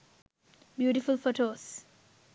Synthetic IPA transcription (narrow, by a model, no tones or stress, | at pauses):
bjuːʈifʊlfoʈoːs